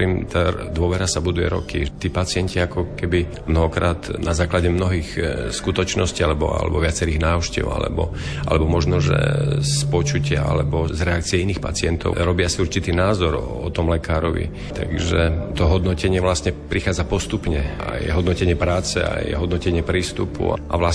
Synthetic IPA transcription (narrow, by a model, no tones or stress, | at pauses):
ɾimt̪ad̪ʊɔʋɛɾasabud̪ujɛ̰ɾɔ̰kḭt̪iːpat͡sɪɛɲciakɔkɛbi | mnɔɦɔkɾaːt̪nʔazaːklaɟɛmnɔɦiːxskut̪ɔt͡ʃnɔscialɛbɔ̰a̰lɛ̰bɔʋɪat͡sɛɾiːɣnaːʊʃcɛ̰ʊa̰lɛ̰bɔ̰a̰lɛbɔmɔʒnɔʒɛ̰spɔt͡ʃucɪa̰a̰lɛbɔzɾɛak̚t͡siɛiniːxpa̰t͡sɪɛnt̪ɔ̰ʊɾɔbɪasiuɾt͡ʃit̪iːnaːzɔɾ | ɔt̪ɔmlɛkaːɾɔ̰ʋḭ | t̪a̰ɡʒɛt̪ɔɦɔd̪nɔcɛɲɪɛʋlasɲɛpɾixaːd͡zapɔst̪upɲɛa̰jɛ̰ɦɔd̪nɔcɛɲɪɛpɾaːt͡sɛ̰a̰jɛ̰ɦɔd̪nɔcɛɲɪɛpɾiːst̪upṵa̰ʔa̰ʋla